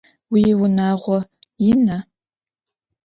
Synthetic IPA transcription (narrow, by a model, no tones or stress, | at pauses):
wiːwʊnaːʁʷɔjɪna